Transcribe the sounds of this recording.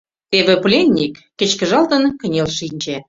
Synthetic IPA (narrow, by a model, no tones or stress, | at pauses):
t̪eβĕplʲenʲːikːĕt͡ɕkə̆ʒɑlt̪ə̆nkə̆nʲelʃinʲd͡ʑe